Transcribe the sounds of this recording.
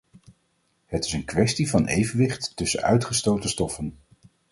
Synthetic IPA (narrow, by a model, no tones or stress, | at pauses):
hətɪ̥sənkʋɛstivɑnejvənʋɪχtːɵsə̰œ̰ɥtχəstowtəstɔfən